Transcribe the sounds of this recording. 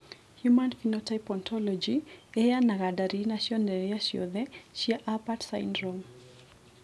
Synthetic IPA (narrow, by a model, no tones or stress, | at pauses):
hjumanfinɔtajpɔntʰɔlɔd͡ʒiɛjanaɣadaɾinaʃiɔndɛɾiaʃjɔ̰ðɛʃiaʔapatsajndɾɔm